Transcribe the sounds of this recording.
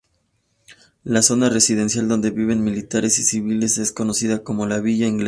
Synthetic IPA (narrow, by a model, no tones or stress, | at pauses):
laso̞nare̞sið̞e̞nsjald̪o̞nd̪e̞βiβ̞e̞nmilit̪aɾe̞sisiβile̞se̞sko̞no̞siðako̞mo̞laβiʝaiŋɡle